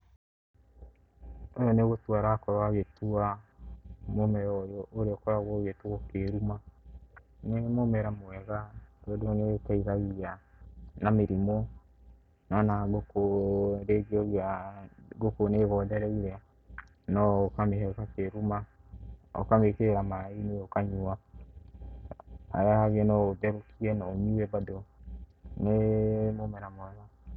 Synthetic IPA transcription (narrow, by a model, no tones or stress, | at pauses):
ojɔneɣotwaɾakɔɾaɣetua | momɛɔjɔʔoɾeɔkɔɾaɣɔɣetuɔkeɾuma | nemomɛɾamoɛɣad̥ɔdonekaiɣaɣianameɾimɔ | nɔnaɡokoɾeɡiɔɡaɡokoneɣɔdɛɾɛiɾɛa | nɔkamehɛkakeɾuma | ɔ̰kamekeɾamainiɔkaɲua | a̰jahaɣɛnɔodɛɾukiɛnɔmiwɛbado | nemomɛɾamowɛɣa